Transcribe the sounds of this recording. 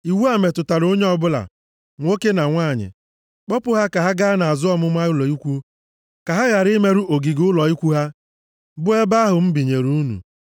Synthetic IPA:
i˨wu˦a˨me˨tʊ˨ta˨ɾo˦ɲe˦ɔ˦bʊ˦la̰˨ | ŋʷo˦ke˦na˨ŋʷaː˦˨ɲɪ̰˨ | k͡pɔ˦pʊ˦ɦa˦ka˨ɦa˦ɡa˦a˦na˨a˨zʊ˦ɔ˦mʊ˦mʷa˦ʊ˦lɔ˨i˦kʷu˦ | ka˨ɦa˦ɣa˨ɾɪ˦me˦ɾu˦ʔo˨ɡi˨ɡʊ˦lɔ˨i˦kʷu˦ɦa˦ | bʊ˦e˦ba˦ɦʊ˨m̩˦bi˨ɲe˨ɾu˦nṵ˨

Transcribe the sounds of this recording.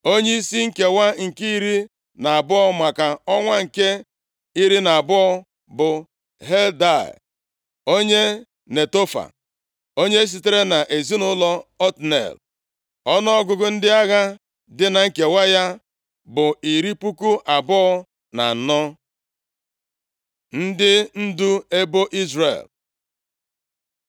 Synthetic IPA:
o˦ɲe˦i˦si˦ŋ̩˦ke˨wa˦ŋ̩˨ki˦i˦ɾi˦ | na˨a˨bʊ˦ɔ˦ma˨ka˨ɔ˦ŋʷa˦ŋ̩˨ke˦ | i˦ɾi˦na˨bʊ˦ɔ˦ | bʊ˨ | ɦe˦lda̰˦˨ | o˦ɲe˦ | ne˨to˦fa̰˨ | o˦ɲe˦s̬i˨te˦ɾe˦na˨ʔe˨zi˦nʊ˦lɔ˦ɔ˦tnḛ˨l | ɔ˦nɔ˦ɔ˦ɡʊ˨ɡʊ˨n̩˦dɪ˦a˦ɣa˦ | dɪ˦na˨ŋ̩˦ke˨wa˦ja˦ | bʊ˨i˨ɾi˦pu˦ku˦ʔa˨bʊ˦ɔ˦ | na̰˨nɔ˦ | n̩˦dɪ˦n̩˦du˦e˦bo˦ʔi˦zɾḛ˨l

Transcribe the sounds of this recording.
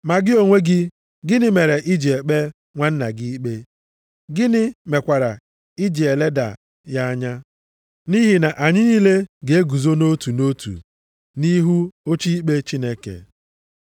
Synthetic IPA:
ma˨ɡɪ˦o˨ŋʷe˦ɡɪ˦ | ɡɪ˦nɪ˦me˨ɾe˨ʔi˦d͡ʒi˨e˨k͡pe˦ | ŋʷa˦n̩˦na̰˨ɡɪ˦i˦k͡pe˦ | ɡɪ˦nɪ˦me˨kʷa˨ɾa˨ | i˦d͡ʒi˨e˨le˦da̰˨ | ja˦a˦ɲa˦ | ni˦ɦi˨na˨ʔa˨ɲɪ˦ni˦le˦ɡe˨e˦ɡu˨zo˦no˦tu˨no˦tṵ˨ | ni˦ɦu˦o˦t͡ʃi˦i˦k͡pe˦t͡ʃi˦ne˦kḛ˨

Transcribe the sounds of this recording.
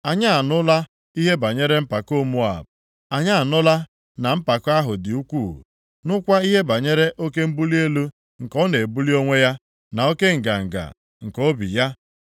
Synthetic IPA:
a˨ɲa˦a˨nʊ˦la˦ | i˦ɦe˦ba˨ɲe˦ɾe˦m̩˦pa˨ko˦˨mu˦a̰˨b | a˨ɲa˦a˨nʊ˦la˦ | na˨m̩˦pa˨ka˦ɦʊ˨dɪ˨u˦kʷuː˦˨ | nʊ˦kʷa˦i˦ɦe˦ba˨ɲe˦ɾe˦ʔo˦ke˦m̩˦bu˦li˦e˦lu˦ | ŋ̩˨kɔ˦ne˨bu˦li˦o˦ŋʷe˦ja˦ | na˨o˦ke˦ŋ̩˨ɡa̰˨ŋ̩˨ɡa̰˨ | ŋ̩˨ko˦bḭ˨ja˦

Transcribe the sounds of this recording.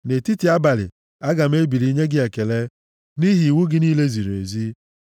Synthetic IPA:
ne˨ti˦ti˨˦a˦ba˨lɪ̰˨ | a˦ɡa˨m̩˦e˦bi˨ɾi˦ɲe˦ɡɪ˦e˨ke˨le˦ | ni˦ɦi˨wu˦ɡɪ˦niː˦le˦zi˨ɾḛ˨zi˦

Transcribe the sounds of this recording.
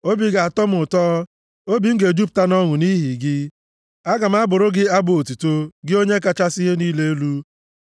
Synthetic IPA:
o˦bi˨ɡa˨a˨tɔ˦m̩˦ʊ˨tɔː˦ | o˦bi˨ŋ̩˦ɡe˨d͡ʒu˦p̚ta˦nɔ˦ŋʷʊ˨ni˦ɦi˨ɡɪ˦ | a˦ɡa˨m̩˦a˦bʊ˨ɾʊ˦ɡɪ˦a˦bo˨o˨tu˨to˦ɡɪ˦o˦ɲe˦ka˦t͡ʃa˦sɪ˦ɦe˦niː˦le˦e˦lu˦

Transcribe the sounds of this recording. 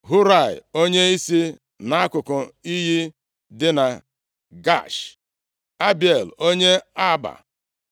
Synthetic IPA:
ɦu˦ɾa˦˨ɪ̰˨o˦ɲe˦i˦si˦ | na˦a˦kʊ˨kʊ˨i˦ɦji˦ | dɪ˦na˨ | ɡa̰˦˨ʃ | a˦bi˨e˨lo˦ɲe˦a˦ba̰˨

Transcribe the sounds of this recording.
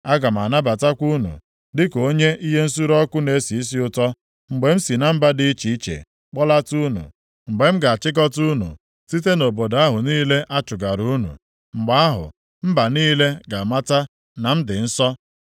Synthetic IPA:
a˦ɡa˨m̩˨a˨na˦ba˨ta˦kʷu˦nṵ˨ | dɪ˦ko˦ɲe˦ʔi˦ɦe˦n̩˦su˦ɾɔ˦kʊ˦ne˨˦si˨i˦s̬i˦ʊ˦tɔ˦ | ŋ͡m̩˨ɡ͡be˨m̩˦si˨na˨m̩˦ba˦di˦i˦t͡ʃi˨i˦t͡ʃḛ˨ | k͡pɔ˦la˦tu˦nṵ˨ | ŋ͡m̩˨ɡ͡be˨m̩˦ɡa˨a˨t͡ʃɪ˦kɔ˦tu˦nṵ˨ | si˦te˦no˨bo˨da˦ɦʊ˨niː˦le˦ʔa˦t͡ʃʊ˨ɡa˨ɾu˦nṵ˨ | ŋ͡m̩˨ɡ͡ba˨˦a˦ɦʊ̰˨ | m̩˦ba˨niː˦le˦ɡa˨ma˦ta˦ | na˨m̩˦dɪ˨n̩˦sɔ˦

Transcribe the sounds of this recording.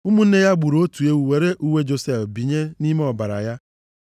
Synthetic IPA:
u˦mu˦n̩˦ne˦ja˦ɡ͡bu˨ɾo˨˦o˦tu˨e˦wu˨we˨ɾe˦ʔu˦we˦d͡ʒo˨se˦˨fbi˨ɲe˦ni˦me˦ɔ˨ba˨ɾa̰˨ja˦

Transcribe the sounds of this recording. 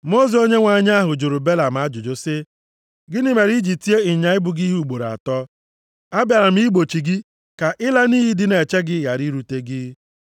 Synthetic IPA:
mo˦ze˨o˦ɲe˦ŋʷa˨ɲ˦a˦ɦʊ˨d͡ʒu˨ɾʊ˨be˦la˨m̩˨a˦d͡ʒʊ˨d͡ʒo˦sɪ˦ | ɡɪ˦nɪ˦me˨ɾi˦d͡ʒi˨ti˦e˦ɪ˨ɲa˨ɪ˦bʊ˨ɡi˦ɦu˦˨ɡ͡bo˨ɾa̰˨tɔ˦ | a˦bja˨ɾa˨m̩˦i˦ɡ͡bo˨t͡ʃi˨ɡɪ˦ | ka˨ʔɪ˦la˦niː˦ɦi˦dɪ˦ne˨t͡ʃe˦ɡɪ˦ja˨ɾi˦ɾu˨te˦ɡɪ˦

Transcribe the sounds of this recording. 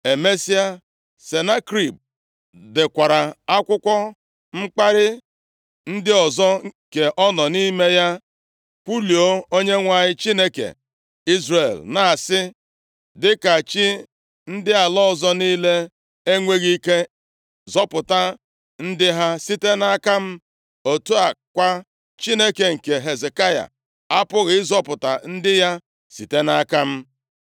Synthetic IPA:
e˨me˦si˦a˦ | se˨na˦kɾi˨b̚ | dɪ˨kʷa˨ɾa˨a˦kʷʊ˦kʷɔ˦ | ŋ͡m̩˦k͡pa˦ɾɪ˦ | n̩˦dɪ˦ɔ˨zɔ˦ke˨ʔɔ˦nɔ˨ni˦me˦ja˦ | pʷu˦li˨o˦o˦ɲe˦ŋʷa˨ɲɪ˦t͡ʃi˦ne˦kḛ˨ | i˦zre˨lna˨a˨sɪ˦ | dɪ˦ka˨t͡ʃɪ˦ | n̩˦dɪ˦a˨lɔ˦ɔ˨zɔ˦niː˦le˦ | e˦ŋʷe˦ɣi˦ke˦ | zɔ˦pʊ˨ta˦ | n̩˦dɪ˦ɦa˦si˦te˦na˦ka˦m̩˦ | o˨tu˦a˨kʷa˦ | t͡ʃi˦ne˦ke˨ŋ̩˨ke˨ɦe˨ze˨ka˦ja̰˨ | a˦pʊ˦ɣɪ˦zɔ˦pʊ˨ta̰˨n̩˦dɪ˦ja˦ | si˨te˦na˦ka˦m̩˦

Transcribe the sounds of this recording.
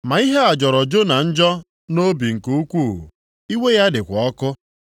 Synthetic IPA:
ma˨i˦ɦe˦a˨d͡ʒɔ˨ɾɔ˨d͡ʒo˦na˨n̩˦d͡ʒɔ˦ | no˦bi˨ŋ̩˨ku˨u˦kʷu˦˨ṵ˨ | i˦we˦ja˦dɪ˨kʷɔ˦kʊ˦

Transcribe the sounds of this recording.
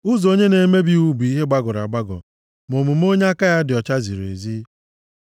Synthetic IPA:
ʊ˦zo˦ɲe˦ne˨˦me˦bi˦u˦bu˨i˦ɦe˦ɡ͡ba˦ɡʊ˨ɾa̰˨ɡ͡ba˦ɡɔ̰˨ | mo˨mu˨m̩˦o˦ɲe˦a˦ka˦ja˦dɪ˨ɔ˨t͡ʃa˦zi˨ɾḛ˨zi˦

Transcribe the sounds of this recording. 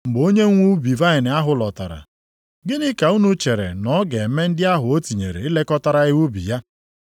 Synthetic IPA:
ŋ͡m̩˨ɡ͡bo˦ɲe˦ŋʷu˦bi˨va˦ɪ˨nɪ˨a˦ɦʊ˨lɔ˨ta˨ɾa̰˨ | ɡɪ˦nɪ˦ka˨u˦nu˦t͡ʃe˨ɾḛ˨nɔ˨˦ɡe˨me˦n̩˦dɪ˦a˦ɦʊ˨o˦ti˨ɲe˨ɾḛ˨ɪ˦le˦kɔ˦ta˦ɾa˦ɣɪ˦u˦bḭ˨ja˦

